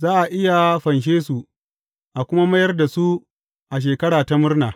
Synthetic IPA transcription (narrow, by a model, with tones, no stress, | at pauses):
zaː˦ʔa˨ʔɪ˦ja˨ɸɐ˨nʃ̬eː˦su˨ | ʔa˨kʷʊ˦ma˦mɐ˦jɐ˦rda˨su˦ | ʔa˨ʃ̬eː˨kɐ˦ɽaː˨ta˦mʊ˦rnaː˨